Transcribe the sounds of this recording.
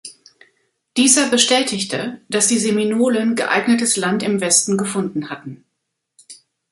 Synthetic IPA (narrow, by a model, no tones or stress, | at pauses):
d̥iːzɐbəʃtɛːtʰɪçtʰəd̥asd̥iːzeminoːlənɡəʔa̰ɪɡnətəslantɪmvɛstn̩ɡəfʊndn̩hatn̩